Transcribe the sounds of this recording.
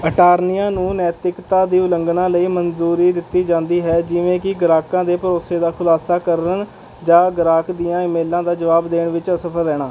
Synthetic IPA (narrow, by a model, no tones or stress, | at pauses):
əʈaːɾnijãːnũːnɛːt̪ɾɪkt̪aːd̪iːʊləŋɡɳãːləiːmənzuːɾiːd̪ɪt̪ːiːd͡ʒãːnd̪iːɦɛːd͡ʒɪʋẽːkɪɡɾaːkãːd̪eːpəɾoːseːd̪aːkʰʊlaːsaːkəɾən | d͡ʒaːɡəɾaːkd̪ijãːɪmeːlãːd̪aːd͡ʒəʋaːbd̪eːɳʋɪt͡ʃsəpʰəɾːɛːɽ̃aː